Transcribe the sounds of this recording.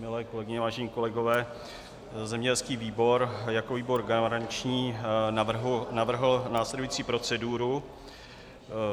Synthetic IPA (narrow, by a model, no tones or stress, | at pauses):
mɪlɛːko̞lɛɡɪɲɛvaːʒɛɲiːko̞lɛɡo̞vɛː | zɛmɲɛɟɛlskiːviːbo̞ɾjakoviːbo̞ɾɡaɾaɲt͡ʃɲiː | navr̩ɦl̩naːslɛdujiːt͡siːpɾo̞t͡sɛduɾu